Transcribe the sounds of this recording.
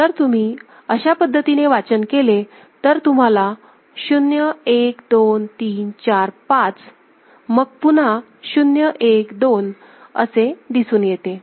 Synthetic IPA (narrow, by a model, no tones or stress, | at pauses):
t̪əɾt̪um̤iː | əɕapəd̪ʱːət̪ineʋat͡ɕənkele | t̪əɾt̪um̤ala | ɕunjəekd̪ont̪iːnt͡ɕaɾpat͡s | məɡ̚pun̤a | ɕunjəʔekd̪on | ə̰sed̪isuːnjet̪e